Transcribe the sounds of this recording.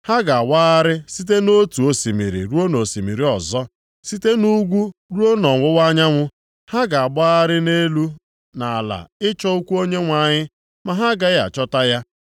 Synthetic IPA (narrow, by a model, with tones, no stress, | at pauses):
ha˦ɡa˨a˨wa˦a˦ɾɪ˦si˦t̬e˦no˦tu˨o˨si˨mḭ˨ɾḭ˨ɾu˦o˦no˨si˨mi˨ɾi˨ɔ˨zɔ˦ | si˦te˦nu˦ɡʷu˦ɾu˦o˦nɔ˨ŋʷʊ˦wa˦ɲa˦ŋʷʊ˦ | ha˦ɡa˨a˨ɡ͡ba˦a˦ɾɪ˦ne˦lu˦ | na˨la̰˨ɪ˦t͡ʃɔ˦u˦kʷu˦o˦ɲe˦ŋʷa˨ɲɪ˦ | ma˨ɦa˦ɡa˦ja̰˨t͡ʃɔ˦ta˦ja˦